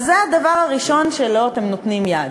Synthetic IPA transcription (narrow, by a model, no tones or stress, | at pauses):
zead̪avaʁaʁiʃo̞nʃe̞lo̞at̪e̞mnot̪nimjad̪